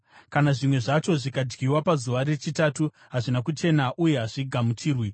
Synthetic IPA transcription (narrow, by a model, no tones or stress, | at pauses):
kanaʐimwe̞ʐat͡ʃo̞ʐikad͡ʒɡiwapazuʋare̞t͡ʃitatu | ɦaʐinakut͡ʃe̞naʔuje̞ɦaʐiɡʱamutʰiːrwi